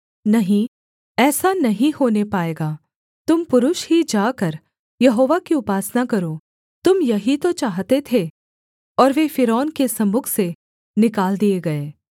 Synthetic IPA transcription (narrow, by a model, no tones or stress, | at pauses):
nɐɦĩ | ɛːsanɐɦĩhoːnepaːeːɡaː | t̪ʊmpʊɾʊʃɦid͡ʒaːkɐɾ | jɐɦoːʋakiʊpaːsnakɐɾo | t̪ʊmjɐɦit̪ot͡ʃaːɦt̪et̪ʰe | ɔːɾʋefɪɾɔːnkesɐmʊkʰse | nɪkaːld̪ieɡɐeː